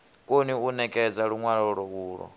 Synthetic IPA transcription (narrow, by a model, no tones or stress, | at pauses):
kʼoniunɛkʼɛd͡zaɺuŋwaɺɔɺɔβuːɺɔ̰